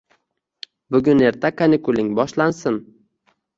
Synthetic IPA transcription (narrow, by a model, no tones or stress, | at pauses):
bʊɡʲʊne̞ɾt̪ʰakʰanɪkʊlɪŋbɒʃlansɪn